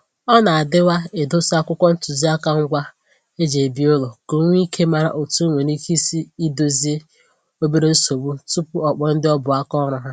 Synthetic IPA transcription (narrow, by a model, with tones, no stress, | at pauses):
ɔ˦na˨a˨dɪ˦wa˦e˨do˦sa˦kʷʊ˦kʷɔ˦n̩˦tʊ˨zi˦a˦ka˨ŋ̩˦ɡʷa˦ | e˦d͡ʒe˨bi˦ʊ˦lo˨ko˨˦ŋʷ˦i˦kʰe˦ma˨ɾa̰˨ʔo˨tu˦ŋʷe˨ni˦ki˦si˦i˦do˦zi˦e˦ | o˦be˦ɾe˦n̩˦so˨bu˦tu˦pʊ˦ɔ˨k͡pɔ˨n̩˦dɪ˦ɔ˦bʊ˨a˦kɔ˦ɾʊ˨ɦa˦